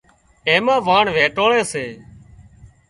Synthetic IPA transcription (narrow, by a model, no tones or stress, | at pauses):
eːmãːʋaːɳʋeːʈoːɭeːseː